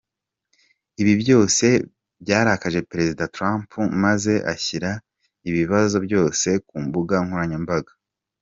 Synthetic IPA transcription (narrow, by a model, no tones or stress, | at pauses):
iβibjo̞ːse̞ | bjaːɾakaʒe̞peɾe̞zidatɾampʰumaze̞ʔa̰çiɾa | iβiβazo̞bjo̞ːse̞kuːmbuɡaŋ̥huɾaɲembaɡḁ